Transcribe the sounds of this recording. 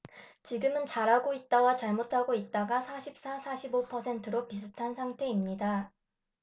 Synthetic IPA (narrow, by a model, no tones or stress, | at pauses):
t͡ɕiɡɯmɯnt͡ɕaɾɦaɡoit̚t͈awat͡ɕaɭmotʰaɡoit̚t͈aɡasʰaɕʰip̚s͈asʰaɕʰibopʰʌsʰe̞ntʰɯɾopis̬ʰɯtʰansʰaŋtʰe̞imɲida